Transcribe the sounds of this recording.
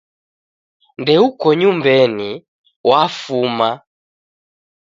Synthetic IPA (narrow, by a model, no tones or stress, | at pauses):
ndɛukɔɲumbɛni | wʔafuma